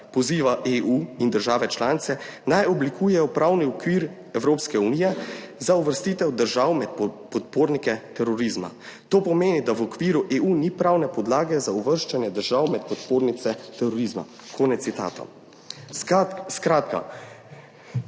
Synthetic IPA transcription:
pɔziːʋaʔeːʔuind̪əɾʒaːʋɛt͡ʃlaːnit̪sɛnajɔblikʰuːjɛjɔpɾawniɔkʋiːɾ | ɛwɾoːpskɛunijɛzauʋəɾst̪iːt̪ɛwd̪əɾʒawmɛt̪̚ppɔt̪̚poːɾnikɛt̪ɛɾɔɾizma̰t̪oːpɔmeːnid̪awɔkʋiːɾuʔeuːnipɾawnɛpɔd̪laːɡɛzauʋəɾʃt͡ʃɛnjɛd̪əɾʒawmɛt̪̚pɔt̪poːɾnit̪sɛt̪ɛɾɔɾizma̰ | kʰoːnɛt̪sit̪a̰ːt̪ɔ̰ | skɾat̪ka̰

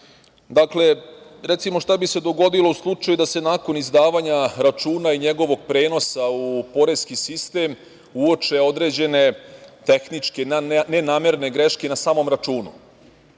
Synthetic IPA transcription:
d̪akle̞ɾet̪simo̞ʃt̪abise̞d̪o̞ɡo̞d̪ilo̞uslˠut͡ʃajud̪ase̞naːko̞nizd̪aːʋaːɲaɾat͡ʃuːnaiɲe̞ɡo̞ʋo̞ɡ̚pɾe̞ːno̞saupo̞ɾe̞zkisist̪e̞ːm | uo̞t͡ʃe̞o̞d̪ɾe̞ːd͡ʑe̞ne̞t̪e̞xnit͡ʂkenenaːme̞ɾne̞ɡɾe̞ʃkenasaːmo̞mɾat͡ʃuːnṵ

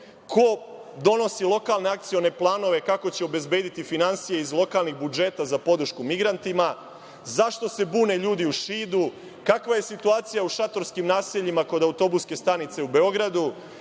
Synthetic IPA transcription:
kʰo̞d̪o̞no̞silˠo̞kalˠne̞ak̚t̪sijo̞ne̞plˠaːno̞ʋe̞kako̞t͡ɕeobe̞zbe̞ːd̪it̪ifinansijeizlˠo̞kalˠniɣbud͡ʒe̞t̪azapo̞d̪ɾ̩ʃkumiɡɾant̪ima | zaʃt̪o̞se̞buːne̞ʎuːd̪iuʃiːd̪u | kakʋaje̞sit̪uaːt̪sijauʃat̪o̞ɾskimnaːseʎimako̞d̪aut̪o̞buske̞st̪anit̪se̞ube̞o̞ɡɾad̪u

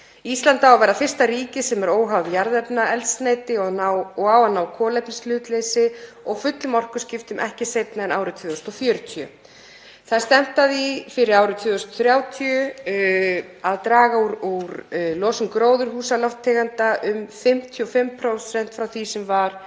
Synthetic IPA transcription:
ist̪lant̪aavajɾafɪr̥st̪aɾiːcɪsɛmɛɾoːwɦawðjaɾðɛpnaɛlt̪sneːjt̪ɪɔnawɔɣawanːawkʰɔːlɛpnislʏːt̪leːjsɪ | ɔɣfʏt̪lʏmɔr̥kʏscɪft̪ʏmʔɛ̰hcɪsejpnaɛnaːwɾʏt̪ʰvʏːðʏst̪ɔfjœːɾʏt̪ʰjʏ̰ | θað̥st̪ɛm̥t̪aðifɪɾɪɾaːwɾʏt̪ʰvʏːðʏst̪ɔ̥θɾjaːwt̪ʰiʏ | aðt̪ɾaːɣauɾuɾlɔːsʏŋkɾoːwðʏɾ̥ɦuːsalɔwft̪ʰːɛːɣant̪aʔʏmfɪm̥t̪ʰiɔfɪmpʰɾowsɛn̥t̪fɾawθisɛmvaɾ̥

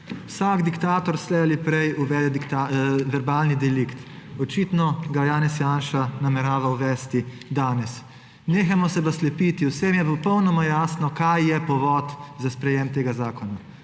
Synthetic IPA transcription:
wsaɡd̪ikt̪aːt̪ɔɾslɛalipɾɛjuʋɛːd̪ɛd̪ikt̪aʋɛɾbaːlnid̪ɛlikt̪ɔt͡ʃit̪nɔɡajaːnɛsjanʃanamɛɾaːʋawʋɛːst̪i | d̪aːnɛs | neːxamɔsɛpaslɛpit̪iwseːmjɛpɔpɔwnɔmajaːsnɔkajjɛpɔʋɔt̪zaspɾɛjɛmt̪eːɡazaːkɔna

